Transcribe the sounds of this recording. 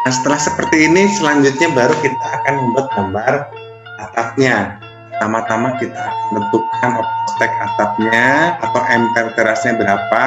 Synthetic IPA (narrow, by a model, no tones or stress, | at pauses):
nasə̥t̪əlahsəpərt̪iːnisəlaɲd͡ʒʊt̪̚ɲabaɾukit̪aːkanməmbuat̪̚ɡambar | at̪af̚ɲa | t̪amat̪amakit̪aːkanbənt̪ukanat̪aast̪ɛk̚at̪af̚ɲaat̪awʔɛmpɛlk̪əɾasɲabəɾapa